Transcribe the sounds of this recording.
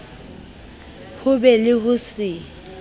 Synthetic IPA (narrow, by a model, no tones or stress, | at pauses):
hʊbɛlɪɦʊsɪ